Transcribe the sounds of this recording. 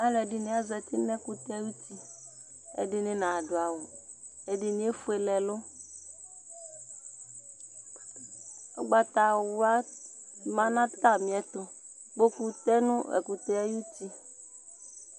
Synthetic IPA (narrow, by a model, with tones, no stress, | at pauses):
a˦lɛ˨di˦nĩ˨˦a˦zɛ˨t̪i˦nɛ̃˦ku˦t̪e˦ju˦t̪i˦ | ḛ˨de˦ne˦nã˨ɖo˨a˨wo˨ | e˨ɖi˨nĩ˨˦e˦fu˦e˨lɛ˨lo˦ | o̰˦ɡ͡ba˨t̪a˨wo˦a˦ | mã˦nã˦t̪a˦mĩ˨ɛ˨t̪o˨ | ɡ͡bo˦ku˦t̪ɛ˦nũ˦ḛ˨ku˨t̪e˦ɛ˦ju˦t̪i˦